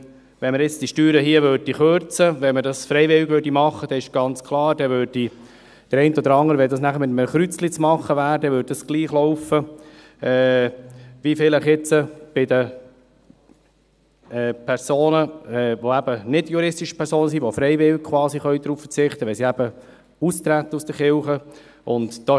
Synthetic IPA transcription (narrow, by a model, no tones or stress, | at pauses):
ʋɛnməɾjɪt͡sd̥iʃtyːɾəɦiəʋøːɾdiχøɾt͡səʋɛmədɑsfɾɛɪvɪwɡʋøːɾdimɑχːəd̥ɛɪʃɡ̥ɑnt͡skʰlˠɑːɾd̥ɛʋøːɾd̥i | d̥əɾɛɪnt̪ɔd̪əɾɑŋəɾəʋɛldɑsnæχəɾmɪt̪əmχɾyt͡slit͡smɑχːəʋæːɾd̥ɛʋøːd̚d̥ɑsɡ̥liːχlɔʊfə | ɛː | ʋifɪləχɪt͡səb̥ɪd̪ə | ɛːpʰɛɾsoːnəɛʋoæb̥ənɪdjuɾɪstiʃə̥pʰɛɾsoːnəsiʋofɾɛɪvɪwk̚kʰʋɑːsiχœʏd̪ɾuːfə̥t͡sɪχt̪əʋɛlsiæb̥ə | ust̪ɾæt̪ːəusd̥̪əɾχɪlχə | ʊndd̥ɑ